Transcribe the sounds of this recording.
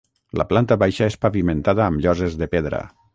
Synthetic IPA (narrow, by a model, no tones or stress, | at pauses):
la̰plant̪aβajʃaespaβimẽnt̪aðaːmʎɔzezðepeðɾə̰